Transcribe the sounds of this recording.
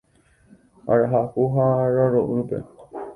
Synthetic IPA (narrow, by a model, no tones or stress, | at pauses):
a̰ɾaɦahuɦaɾaɾõʔɨ̃ɾupḛ